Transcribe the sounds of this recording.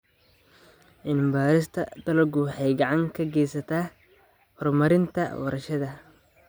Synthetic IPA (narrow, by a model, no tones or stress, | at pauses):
ʔɪnbaːɾɪst̪ʰɐ̰d̪̥ɐlɐɡʊwħɑjɡɑʕɑŋkʰɐɡɛːjsɐt̪ʰaː | hɔrmɐɾɪnt̪ʰɐ̰wɐ̰ɾɐʃɐðɐ